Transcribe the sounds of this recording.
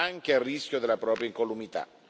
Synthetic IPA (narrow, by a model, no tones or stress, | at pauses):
aŋk̟earːisk̟ʲjod̪elːapɾɔːpɾjaiŋkolumit̪a̰